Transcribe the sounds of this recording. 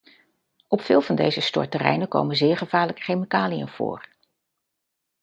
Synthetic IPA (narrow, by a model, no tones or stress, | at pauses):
ɔpfɪːlˠvɑndḛjzəstɔ̰ɹtərɛ̰jnəko̰wmənzɪːɹχəv̥aːɹləkə̥χejmikaːlijə̰nv̥ʊ̰ːr